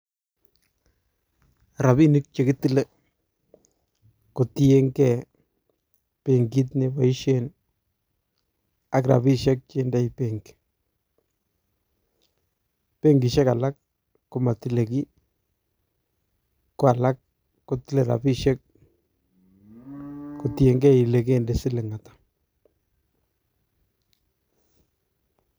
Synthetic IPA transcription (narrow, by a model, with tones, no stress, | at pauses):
ɾa˨bi˦nɪ˦k̚t͡ʃe˨kɪ˦t̪ɪ˦le˦ | ko˨t̪i˦e˦ŋɡɛ˨ | pe˨ŋɡi˦t̬ne˨ba˨i˦ʃen | a˨kɾa̰˨bi˦ʃɛ˦k̚t͡ʃe˦nda˦jpeŋɡ | pe˦ŋɡi˨ʃɛ˦ka˨la˦kː | ʊ˨ma˨t̪i˦le˨ki˦ | ko˨a˨la˦k̚ː | ʊt̪ile˨ɾa̰˨bi˦ʃe˦k̚ | kut̪je˨ŋɡɛ˦˨i˨le˨k̬e˦nde˨sɪ˦le˨ŋa˨t̪ḁ